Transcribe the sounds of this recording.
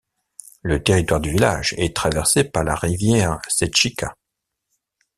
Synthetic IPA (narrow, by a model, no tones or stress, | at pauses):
lət̪eʁit̪waʁd̪yvila̰ʒɛt̪χavɛʁsepaʁlaʁivjɛʁsɛʃika